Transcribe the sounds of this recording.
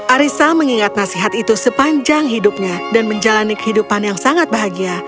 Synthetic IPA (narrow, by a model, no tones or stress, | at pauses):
ʔaɾisaməŋiŋat̪̚nasiɦat̪it̪usəpaɲd͡ʒaŋɦidup̚ɲadanməɲd͡ʒalanikə̥ɦidupanjaŋsaŋat̪̚baɦaɡia